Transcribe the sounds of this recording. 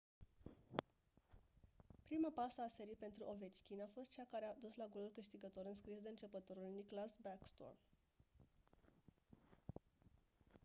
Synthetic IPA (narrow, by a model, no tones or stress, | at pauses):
pɾimapasəase̞ɾijpe̞nt̪ɾuʔo̞ve̞t͡ʃkʲinafo̞st̪̚t͡ʃakaɾead̪uslaɡolulkɨʃt̪iɡət̪o̞ɾɨnskɾisd̪e̞ɨnt͡ʃe̞pət̪o̞ɾulniklasbakst̪o̰r